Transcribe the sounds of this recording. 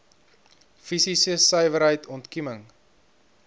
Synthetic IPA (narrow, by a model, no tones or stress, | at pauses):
fisisəsœjvəɾɦəjtʰɔntkiməŋ